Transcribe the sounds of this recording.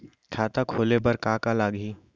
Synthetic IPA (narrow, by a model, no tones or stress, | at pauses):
kʰaːt̪akʰoːlebəɾkaːkalaːɡɦiː